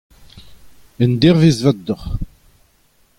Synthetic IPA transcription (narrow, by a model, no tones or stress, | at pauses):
ənd̪iʁvizvæd̪ːəχ